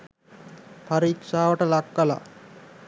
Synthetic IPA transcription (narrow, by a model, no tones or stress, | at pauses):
pʰaɾiːksaːʋəʈəlakːəla̰